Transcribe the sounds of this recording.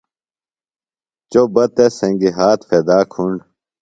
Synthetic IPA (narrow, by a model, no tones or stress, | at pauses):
t͡ɕobɐt̪esẽŋɡiɦaːt̪fed̪aːkʰuɳɖ